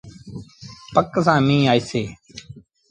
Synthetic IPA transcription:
pəksãːmĩːaːiːseː

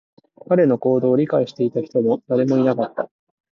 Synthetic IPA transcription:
kaɾe̞no̞ko̞ːd̪o̞ːɾʲikaiɕi̥t̪e̞it̪açi̥t̪o̞mo̞d̪̥aɾe̞mo̞inakat̪ːa

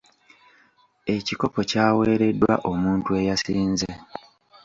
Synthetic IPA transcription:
e̞ciko̞po̞caːwe̞ːɾe̞dːwa̰ʔo̞muːntue̞jasiːnze

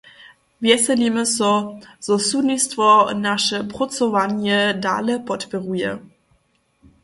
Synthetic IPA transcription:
vjɛsɛlimɛsɔz̥ɔsunistvɔnaʃɛpʁɔt͡sɔvanjɛda̰ːlɛpɔtpɛʁujɛ̰

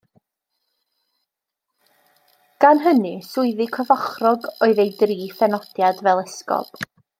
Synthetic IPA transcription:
ɡ̥anɦənɨsʊɨðɨkʰɔvɔχrɔɡoɨðejdriːθɛnɔd̥jadvɛlˠɛskɔ̰b̥

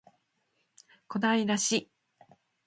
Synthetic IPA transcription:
ko̞d̪aiɾaɕi

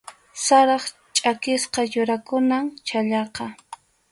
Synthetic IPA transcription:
saɾɑχ | t͡ʃʼakɪsqɑjʊɾakʊnaŋt͡ʃaʎɑqɑ

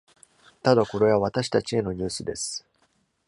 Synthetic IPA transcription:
t̪ad̪ako̞ɾe̞βaβ̞at̪aɕi̥t̪at͡ɕie̞no̞ɲ̟ɨːsɨd̪e̞sɨ̥

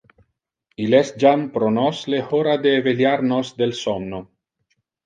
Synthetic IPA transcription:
ilɛs̚d͡ʒampɾonɔslexoɾad̪eːveljaɾnosd̪elsɔmno

